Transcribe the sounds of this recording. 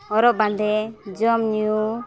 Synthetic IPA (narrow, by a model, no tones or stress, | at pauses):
ɔɾɔʔband̪ɛd͡ʒɔmɲu